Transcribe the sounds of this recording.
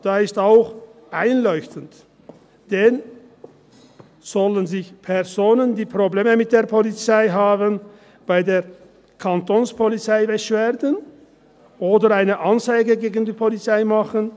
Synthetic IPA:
d̥aːɪstaʊxʔaɪnlɔʏçtʰənt | d̥ɛn | z̥ɔlənzɪçpʰɛʁzoːnəndiːpʁ̥obleːməmɪt̚d̥eːɐpʰolit͡saɪɦaːbən | b̥aɪdeːɐ | kʰantoːnspʰolit͡saɪbɛʃv̥eːʁdən | ʔoːdəʁaɪnəʔant͡saɪɡəɡeːɡən̩diːpʰolit͡saɪmaχən

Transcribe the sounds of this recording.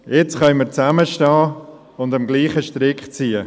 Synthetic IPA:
jet͡sχœɪməɾt͡saməʃtɑː | ʊndɑmɡliːχəʃtɾɪkχt͡siːə

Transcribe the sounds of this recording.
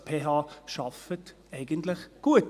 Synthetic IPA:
pʰeːɦɑːʃɑfət | ɛɪɡəntlɪχɡ̥uət

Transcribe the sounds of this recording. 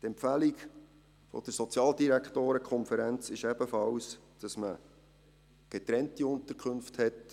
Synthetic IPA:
t̪ɛmpfælik | fɔ̰d̥əsɔt͡sjɑːld̥iɾæktoːɾəkʰɔnfəɾænt͡sɪʃɛbəfɑlsd̥ɑsmə | ɡ̥et̪ɾɛntiʊnt̪əɾkʰχɵnfthɛt

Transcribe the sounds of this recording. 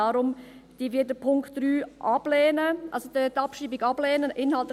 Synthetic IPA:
ɑɾʊmd̥iːʋɪːdəpʰʊŋktd̥ɾyːʔɑb̥lɛːnəʔɑ̰lsod̥ətɑpʃiːbɪɡɑb̥lɛːnənʔɪnhɑlt̪ə

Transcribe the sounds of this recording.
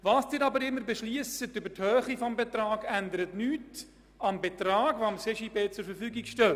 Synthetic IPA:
vɑːsd̥ɪːɾɑbəɾɪmːəɾbeʃliəsətʏbəthœːχifɔmbet̪rɑːɡændəɾətnyːt | ɑmbet̪rɑːɡʋoɑmseʃiːbeːt͡sʊɾfəɾfyːɡiɡʃtɛl

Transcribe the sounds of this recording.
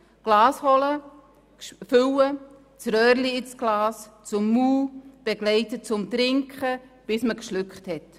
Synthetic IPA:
ɡ̥lɑːshɔlə | ʃfʏwə | t͡srœːɾliɪt͡sɡ̥lɑːst͡sʊmːuːb̥eɡlɛɪtət͡sʊmtɾɪŋkχəb̥ɪsməkʃlʏkχthɛt

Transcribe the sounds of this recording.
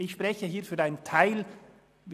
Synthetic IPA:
ʔɪçʃpʁ̥ɛçəɦiːɐfyːɐdaɪnəntʰaɪl | v

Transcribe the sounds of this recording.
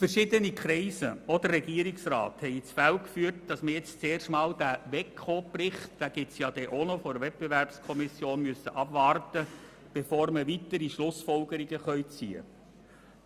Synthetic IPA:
fəɾʃɪd̪ənikχɾɛɪsəɔd̪ərːɛɡiəɾiksrɑ̰ːthɛɪɪt͡sfælkfyːərt̚d̥ɑsməjɛt͡st͡seːrʃmɑːld̥̪æʋɛkʰχoprɪχtd̥æːɡ̥ɪtsjɑːd̥̪ɛʔonɔfɔɾʋɛt̚b̥eværpskʰɔmɪsjoːnmyəsːəʔɑb̥vɑːrtə | b̥efoːɾməʋit̪əɾiʃlʊsfɔlɡəɾiɡəχœʏt͡sḭːə̰

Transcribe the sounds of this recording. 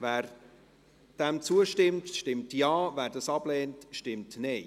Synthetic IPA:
vɛːɾ | d̥ɛmt͡suəʃtɪmtʃtɪmtjɑːvɛːɾdɑsɑb̥lɛːntʃtɪmtneː

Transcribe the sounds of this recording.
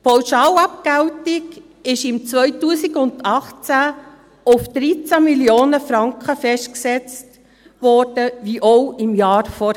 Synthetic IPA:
pʰɑwʃɑːlɑp̚ɡ̥ɛwtɪk | ɪʃɪmt͡svœʏtuːsiɡʊndɑχt͡sæ | ɔʊfd̥ɾit͡sæmiljoːnəfɾɑŋkχəfɛʃt̚ksɛt͡st | vɔɾd̥əʋiʔɔwɪmjɑːɾfɔɾ

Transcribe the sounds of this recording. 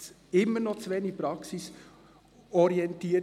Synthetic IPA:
ɪmːənɔχt͡sveːnipɾɑksɪs | ɔɾiɛntiː

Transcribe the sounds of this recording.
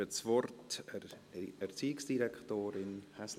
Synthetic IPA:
ət͡svɔɾt | ɛrt͡siːɪksd̥iɾɛkχtoːɾɪnhasl

